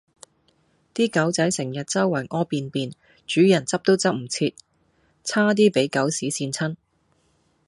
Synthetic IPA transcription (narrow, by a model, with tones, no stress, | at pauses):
t̪iː˥kɐ˨˥wt͡sɐ˨˥jsɪ˨˩ŋjɐ˨t̚t͡sɐ˥wːɐ˨˩ŋʔɔː˥piː˧npiː˨˧n | t͡ʃyː˨˥jɐ˨˩nt͡sɐ˥p̚t̪o˥wt͡sɐ˥p̚m̩˨˩t͡sʰiː˧t̚ | t͡sʰaː˥t̪̬iː˥pe˨˥jkɐ˨˥wsiː˨˥siː˧nt͡sʰɐ˥n